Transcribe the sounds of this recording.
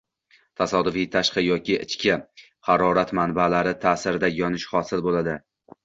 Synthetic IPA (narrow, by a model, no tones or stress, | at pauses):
t̪ʰasɒd̪ʊvijt̪ʰaʃqɑjɒkʲɪʔɪ̰t͡ʃkʲɪ | hɑɾɒɾat̪manbalaɾɪt̪ʰaːsɪɾɪd̪ajɒnɪʃχɒsɪlbolad̪ɪ